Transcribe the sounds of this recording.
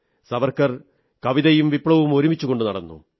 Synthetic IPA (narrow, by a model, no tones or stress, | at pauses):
sɐʋɐrkːɐr | kɐʋiðɐjumʋipɭɐʋumo̞ɾumit͡ɕːuɣo̞ɳɖɨnɐɽɐnːṵ